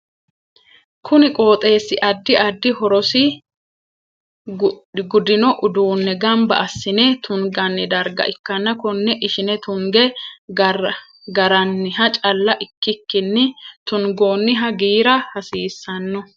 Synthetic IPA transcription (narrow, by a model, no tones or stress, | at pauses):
kʰʊnɪkʼo̞ːt̪ʼe̞ːsːɪʔɐd̪ːɪɐd̪ːɪhɔɾɔsɪ | ɡʊd̪ɪnɔʔʊd̪uːnːɛɡɐmbɐʔɐsːɪnɛt̪ʊŋɡɐnːɪd̪ɐɾɡɐ̰ʔɪkːɐnːɐkɔnːɛʔɪʃɪnɛt̪ʊŋɡɛ | ɡɐɾɐnːɪɦɐt͡ʃʼɐlːɐʔɪkːɪkːɪnːɪt̪ʊŋɡo̞ːnːɪɦɐɡiːɾɐhɐsiːsːɐnːɔ